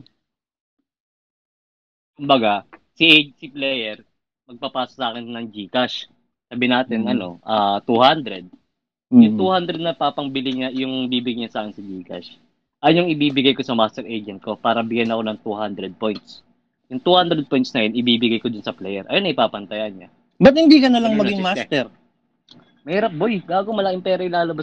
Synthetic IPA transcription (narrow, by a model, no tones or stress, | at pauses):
kʊmbɐɡasiʔsɪplɛːjɛɹ | mɐɡ̚papaːsosaːkɛnnɐŋd͡ʒiːkaʃ | saːbɪnaːt̪ɪnʔɐno̞ʔɐːt̪uhand̪ɾɛd̪̚ | jʊŋt̪uːhand̪ɾɛd̪nɐpaːpɐŋbɪlɪɲajʊŋbiːbɪɡaɲɐsaːkɪnsɐd͡ʒiːka̰ʃ | ʔɐjnjʊŋɪbiːbɪɡajko̞sɐmast̪ɛɾʔejd͡ʒɛnt̪̚ko̞paːɾɐbɪɡjanɐko̞nɐŋt̪uːhand̪ɾɛd̪̚po̞jnt̪s | jʊŋt̪uːhand̪ɾɛd̪̚po̞jnt̪snɐjonʔɪbiːbɪɡajkod̪ʊnsɐplɛjɛɾʔɐ̰jonɐɪpaːpɐnt̪ɐjanɲɐ | bɐt̪̚hɪnd̪iːkɐnɐlɐŋmɐɡɪŋmast̪ɛɹ | mɐhiːɾɐp̚bojbaːɡomɐlakɪmpɛːɾɐɪlaːlɐba